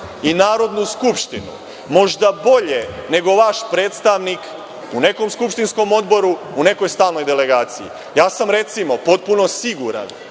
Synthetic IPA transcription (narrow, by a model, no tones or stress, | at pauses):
inaːɾo̞d̪nuskupʃt̪inṵ | mo̞ʒd̪abo̞ʎe̞ne̞ɡo̞ʋaʃpɾe̞ːt̪st̪aʋnik | une̞komskupʃt̪insko̞mo̞d̪bo̞ɾuune̞ko̞jst̪aːlnojd̪e̞le̞ɡaːt̪sijḭ | jaːsamɾe̞t̪simo̞po̞t̪̚puno̞siɡuɾa̰n